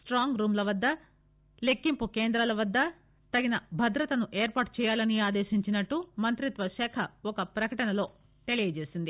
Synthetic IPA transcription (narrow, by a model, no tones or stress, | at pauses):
sʈɾaːŋɡɾuːmlɐʋɐd̪ːɐ | le̞kːimpukeːnd̪ɾɐlɐʋɐd̪ːɐ | t̪ɐɡinɐbʱɐd̪ɾɐt̪ɐnuʔeːɾpaːʈt͡ʃɛːjaːlɐniaːd̪eːʃiɲt͡ʃinɐʈːumɐnt̪ɾit̪ʋɐʃɛːkʰɐɔkɐpɾɐkɐʈɐnɐlo̞ː | ʈelijeːd͡ʒeːsind̪i